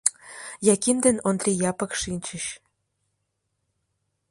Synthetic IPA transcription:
jɑkimd̪ĕnond̪rʲijɑpɤ̆kʂinʲt͡ɕə̆ɕ

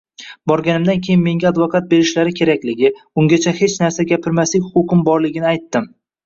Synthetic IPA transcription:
bɒɾɡʲanɪmd̪ankʲʰe̞jɪnme̞ŋɡʲaad̪vɒkʰat̪̚be̞ɾɪʃlaɾɪkʲʰe̞ɾakʲlɪɡʲɪʊŋɡʲat͡ʃʰahe̞t͡ʃnaɾsaɡʲapʰɪɾmaslɪkʲhʊqʊqʰɨmbɒɾlɪɡʲɪnɪajt̪ːɪm

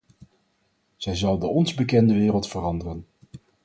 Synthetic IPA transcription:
z̥ɛjzɑlˠdəɔnzbəkɛndəʋɪːrəlˠtfərɑndərən

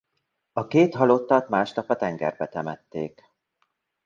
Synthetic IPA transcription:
ɒkeːt̪ɦɒlo̞t̪ːɒt̪maːʃt̪ɒpɒt̪ɛŋɡɛ̰rbɛt̪ɛmɛt̪ːḛːk

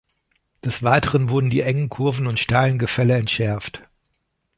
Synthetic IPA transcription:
d̥ɛsv̥aɪtʰəʁənvʊɐdn̩diːʔɛŋənkʰʊɐvn̩ʊntʃtaɪlənɡəfɛləɛntʃɛɐft

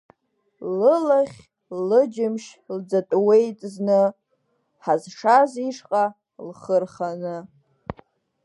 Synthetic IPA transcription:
lɨlaχʲ | lɨd͡ʒɪmʃld͡zatʼwejtʼznɨ | ħazʂaziʂqʼa | lχərχanɨ

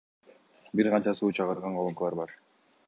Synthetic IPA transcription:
biɾʁɑnt͡ʃɑsuːt͡ʃʰɑʁɯɾʁɑɴqʰolˠɯŋkɯlˠɑɾbɑɾ

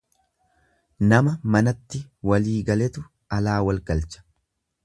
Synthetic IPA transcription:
nɐmɐmɐnɐt̪ːɪwɐliːɡɐlɛt̪ʊ | ɐlaːwɐlkʼɐlt͡ʃɐ̥

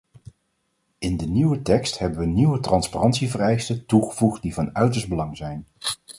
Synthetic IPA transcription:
ɪndəniwətɛkstɦɛbənʋəniwətrɑnsparɑntsivərɛjstətuχəv̥uχt̚divɑnœɥtəɹszbəlɑŋzɛjn

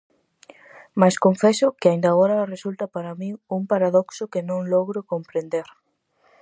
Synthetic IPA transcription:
maskoɱfɛsʊkɪaĩnd̪aːɣɔɾɐresult̪ɐpaɾamĩŋuŋpaɾaðɔksʊkenõŋlɔɣɾʊkompɾend̪eɾ

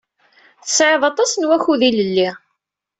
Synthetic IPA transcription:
θə̥sʕeðˤɑt̪ˤɑsənwæçuðiləlːi

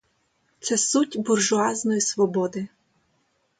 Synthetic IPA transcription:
t̪sɛsutʲbʊrʒʊɑznɔjisʋɔbɔd̪ɪ

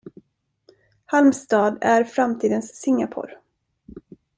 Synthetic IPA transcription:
halmst̪ɑːd̪æɾfɾamt̪ʰiːd̪ənsːɪŋːapʰo̰ɾ

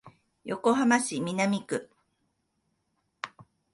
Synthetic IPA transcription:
joko̞ɦamaɕimʲinamʲikɯ̟

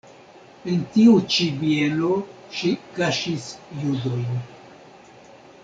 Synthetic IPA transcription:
entiut͡ʃibielo | ʃikaʃisjudo̞jn

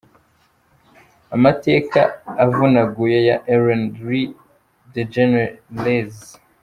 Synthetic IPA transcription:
amateːka̰ːvunaɡujejaʔeɾanɾi | ded͡ʒenlez

